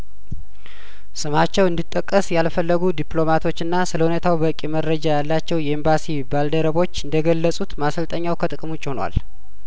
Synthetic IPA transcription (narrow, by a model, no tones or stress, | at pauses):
sɨmat͡ʃːɛwɨnd̪it̪ʼːəkʼːəsjalfəlːəɡud̪iplo̞mat̪ʰo̞t͡ʃːɨnːasɨləhune̞t̪ʰawbəkʼːiməɾəd͡ʒajalːat͡ʃːɛwjɛimbasibald̪əɾəβo̞t͡ʃːɨnd̪əɡəlːəsʼut̪masəlt̪ʼəɲːawkʰət̪ʼɨkʼmut͡ʃʼːɪhonwa̰l